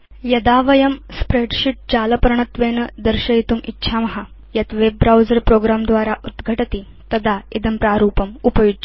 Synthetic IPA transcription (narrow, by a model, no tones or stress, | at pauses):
jɐd̪aːʋɐjɐmspɾeːʈɕiʈ̚d͡ʑaːlɐpɐɾɐɳɐt̪ʋeːnɐd̪ɐɾɕɐjit̪umḭtːʃʰamɐɦa | jɐt̪ʋebːɾawzɐɾpɾoːɡɾaːmd̪ʋaːɾaʔud̪ɡʱɐʈɐt̪i | t̪ɐd̪aid̪ɐmpɾaːɾuːpɐmupɐjudt͡ʃ